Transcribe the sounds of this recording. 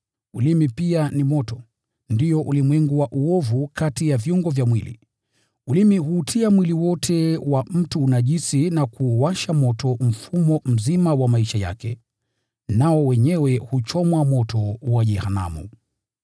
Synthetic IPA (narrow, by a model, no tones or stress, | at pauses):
ulimipianimɔtɔ | ndiɔʔulimwɛŋɡuwaʔuɔvukʰatijavjuŋɡɔvjamwilḭ | ulimiɦuːtʰiamwiliwɔtʰɛwam̩tuːnaʄisinakuwaʃamɔtɔm̩fumɔm̩zimawamaiʃaja̰kɛ | naɔwɛɲɛwɛhut͡ʃɔmwamɔtɔwaʄɛhana̰mṵ